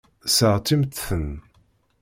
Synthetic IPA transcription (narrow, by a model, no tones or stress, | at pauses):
səʁt̪ːimt̪θən